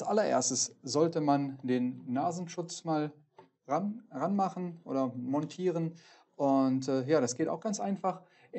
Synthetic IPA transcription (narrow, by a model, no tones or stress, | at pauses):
sʔalɐʔḛːɐstəszɔltəmandeːnːaːzn̩ʃʊt͡smaːl | ʁanʁanmaχn̩ʔo̰ːdɐmɔntʰiːʁ̞ən | ʔʊntɛːjaːdasɡ̥eːta̰ʊxɡ̥ant͡sʔaɪnfaχ